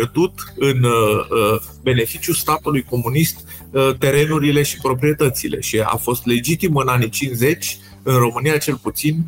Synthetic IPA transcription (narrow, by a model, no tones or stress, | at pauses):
erd̪ut̪ɨn | be̞ne̞fit͡ʃjust̪at̪ulujko̞munist̪ | t̪e̞ɾe̞nuɾile̞ʃipɾopɾije̞t̪ət̪sile̞̰ʃia̰fo̞st̪le̞d͡ʒit̪imɨnanit͡ʃinze̞t͡ʃʲ | ɨnro̞mɨnijat͡ʃe̞lput̪sin